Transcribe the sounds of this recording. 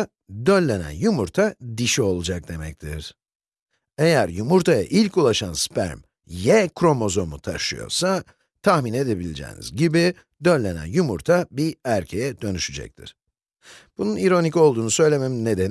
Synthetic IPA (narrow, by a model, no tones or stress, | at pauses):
d̪ø̞lʲːe̞næ̰njumuɾt̪ʰad̪iʃio̞lˠud͡ʒak̚d̪e̞mɛc̚t̪ʰḭɾ̥ | ejæɾjumuɾt̪ʰaja̰ʔilʲkulˠaʃanspʰæ̰ɾm | jɛkʰɾo̞mo̞zo̞mut̪ʰa̰ʃɯjo̞̰ɾsa | t̪ʰaxmine̞d̪e̞bilʲed͡ʒɛ̰ːnḭzɟibi | d̪ø̞nːʲe̞næ̰njumuɾt̪ʰabiæɾcʰe̞jɛd̪ø̞nyʃyd͡ʒɛ̰c̚t̪ʰḭɾ̥ | b̥ununiɾo̞nicolˠd̪uːnusø̞jlʲememine̞d̪en